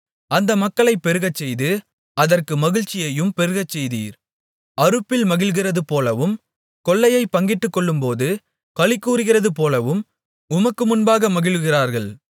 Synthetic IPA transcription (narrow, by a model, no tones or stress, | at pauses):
ɐnd̪ɐmɐkːɐɭɐɪpːɛɾɯɣɐt͡ʃːɛjðɯ | ɐðɐrkɯmɐɣɪɻt͡ʃːɪjɐjɯmpɛɾɯɣɐt͡ʃːɛjðḭːɾ | ɐɾɯpːɪlmɐɣɪlɣɪrɐðɯpoːlɐʋɯm | kɔɭːɐjɐɪpːɐŋɡɪʈːɯkːɔɭːɯmpoːðɯ | kɐɭɪkːuːɾɯɣɪrɐðɯpoːlɐʋɯm | ʊmɐkːɯmʊnbaːɣɐmɐɣɪɭɣɪraːɾɣɐɭ